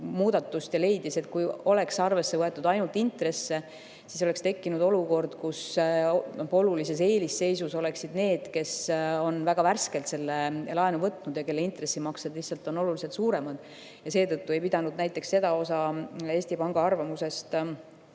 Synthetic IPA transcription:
muːd̪̥ɑt̪ːust̪jɑle̞jd̪̥ise̞t̪kujo̞le̞ksɑrve̞sːe̞vɤe̞t̪ːˑud̪ɑjnult̪ːˑint̪re̞sːe̞ | siso̞le̞kst̪e̞kːinud̪o̞luko̞rd̪̥kus | o̞lulise̞s̬e̞ːlisːe̞jsuso̞le̞ksid̪̥ne̞ːd̪̥ke̞so̞nvæɡ̥ɑværske̞lt̪se̞lːelɑenuvɤt̪ːˑnud̪jɑke̞lːe̞int̪re̞sːimɑksed̪liçsːɑlt̪ːˑo̞no̞luliset̪suːɾe̞mɑd̪̥ | jɑse̞ːt̪ɤt̪ːue̞jpid̪ɑnud̪̥næjt̪ˑːe̞ksse̞d̪ɑo̞sɑe̞ːsʲt̪ipɑŋɡ̥ɑɑrvɑmuse̞st̪

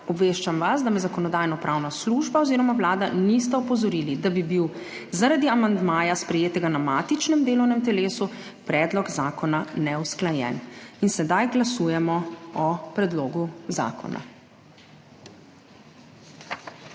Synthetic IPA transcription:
ɔbʋeːʃt͡ʃamʋasd̪amɛzakɔnɔd̪aːjnɔpɾʔaːwnasluːʒbaɔziːɾɔmaʋlaːd̪anist̪ɛɔpɔzɔɾiːlid̪abibiw | zaɾad̪iamand̪maːjaspɾɛjeːt̪ɛɡanamaːt̪it͡ʃnɛmd̪eːlɔwnɛmt̪ɛleːsu | pɾɛːd̪lɔkzaːkɔnanɛusklajɛ̰ninsɛd̪ajɡlasujɛmɔɔpɾɛd̪loːɡuza̰ːkʰɔ̰na̰

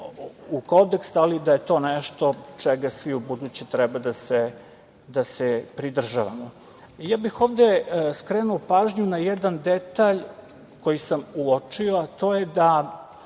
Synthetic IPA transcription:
ukod̪ekst̪alid̪ajet̪o̞ːneʃt̪o̞t͡ʂɛɡasʋiubud̪ut͡ɕet̪ɾɛbad̪ase | d̪asepɾid̪r̩ʒaʋa̰mo | jaːbixo̞ːʋd̪eskɾenuopaːʒɲunajed̪and̪et̪aʎ | kojisamuot͡ʂioat̪o̞ːjed̪a

